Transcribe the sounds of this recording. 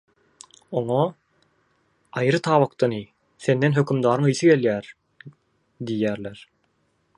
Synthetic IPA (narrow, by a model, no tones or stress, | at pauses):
oŋo | ɑjɾɯt̪ʰɑːβɑkt̪ɑni | θe̞nd̪e̞nɦø̞kymd̪ɑːɾɯŋɯjθɯɡe̞ljæːɾ | d̪ijːæːɾleɾ